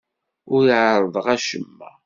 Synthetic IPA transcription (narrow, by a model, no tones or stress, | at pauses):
ʊɾiʕɾˤəðˤəʁæʃəmːæ̰